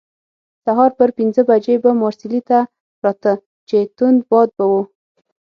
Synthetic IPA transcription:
saɦɑɾpəɾpinzəbad͡ʒebamɑɾsɪlit̪a | pɾɑt̪ə | t͡ʃet̪ʊnd̪bɑd̪̚bawu

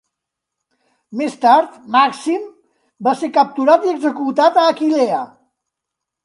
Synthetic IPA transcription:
mest̪aɾt̪maksim | basekəp̚t̪uɾat̪iəɡzəkut̪at̪əːkileə

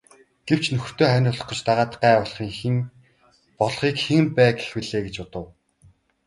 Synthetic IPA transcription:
ɡ̥ew̥t͡ɕnɵxr̥t̪oːχænʲʊːɮɞ̆χɞ̆t͡ɕt̪aʁaːt̪ə̥qːæːɔɮχiːŋxin | pɔɮχiːkxeŋpæːɡe̥xwĭɮeːɡet͡ɕʊt̪ə̆w

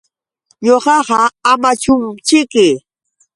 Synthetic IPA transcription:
ɲoɢɑɢɑamat͡ʃʊmt͡ʃɪkɪ

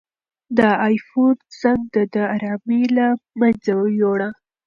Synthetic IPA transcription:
d̪əajfod̪zaŋɡ̚d̪əd̪əaɾɑmelamanzajoɽa

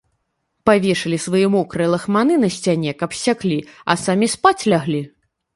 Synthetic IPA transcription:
pavʲɛʂɨlʲisvɐjɛmɔkɾɨlˠɐxmanɨnɐsʲt͡sʲanʲɛkɐpsʲaklʲiɐ̰samʲispat͡sʲlʲaɣlʲi

